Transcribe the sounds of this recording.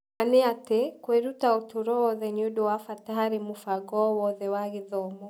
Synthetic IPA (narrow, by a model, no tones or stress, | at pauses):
anɛatɛkwɛɾutaɔtuɾɔɔðɛɲudɔwafataaɾimufaɡɔwɔðɛwaɣiðɔmɔ